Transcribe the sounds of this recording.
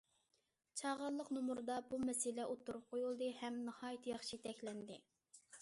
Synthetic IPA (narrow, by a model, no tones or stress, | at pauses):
t͡ʃʰɑʁɑlˠːəqnumuɾd̪ɑbumɛsɪlɛʔot̪ʰːuɾup̚qʰojulˠd̪ɨhɛmnɨhɑːjt̪ʰjɑχʃit̪ʰɛkʲlɛnd̪ɪ